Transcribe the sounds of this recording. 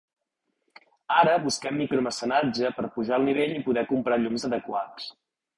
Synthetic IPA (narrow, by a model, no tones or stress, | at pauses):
aɾəβuskɛmːikɾuməsənad͡ʒəpəɾpuʒaəlˠniβ̞eʎipuðɛkumpɾaʎumzəðəkwas